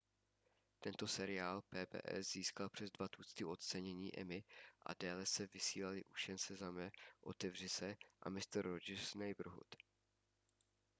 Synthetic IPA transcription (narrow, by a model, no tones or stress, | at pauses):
t̪ɛnt̪o̞sɛɾɪaːlpɛːbɛ̰ːʔɛ̰sziːskalpr̝̥ɛzdvat̪uːst̪ɪo̞t̪t͡sɛɲɛɲiːʔɛ̰mɪʔa̰dɛːlɛsɛvɪsiːlalɪʔuʃɛnsɛzamɛʔo̞̰t̪ɛvr̝ɪsɛʔa̰mɪst̪ɾːod͡ʒɛsnajbɾ̩ɦṵt̪